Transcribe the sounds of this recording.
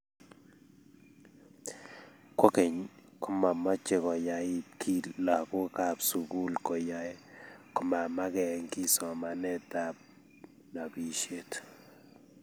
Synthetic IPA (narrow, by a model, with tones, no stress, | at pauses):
kɔ˦kɛ˨ɲ | kʊ˦ma˨ma˦t͡ʃe˨kɔ˨ja˨ɪ˦tkʰi˦la˨kʊ˦ka˨psu˨ɡu˦lkɔ˨ja˨jkɔ˨ma˨ma˦ɡɛ˨ŋkɪ˦sɔ˨ma˨nɛ˦ta˨b̚ | na˨bi˨ʃe˦t